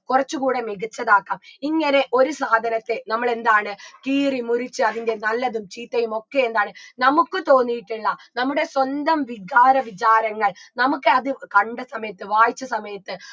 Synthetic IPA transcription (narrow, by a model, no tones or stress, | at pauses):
kurɐt͡ɕːukuːɽe̞miɡit͡ɕːɐðaːkːaːmiŋːɐne̞ʔo̞ɾusaːd̪ʱɐnɐt̪ːe̞nɐmːɐɭe̞nd̪aːɳɨkiːrimurit͡ɕːɨɐðinde̞nɐlːɐðumt͡ɕiːt̪ːɐjumo̞kːe̞end̪aːɳɨnɐmukːɨt̪o̞ːnːijiʈːiɭːɐnɐmːuɽe̞swond̪ɐmʋiɡaːɾɐʋit͡ɕaːɾɐŋːɐɭnɐmukːɨɐðɨkɐɳɖɐsɐmɐjɐt̪ːɨʋaːjit͡ɕːɐsɐmɐjɐt̪ːɨ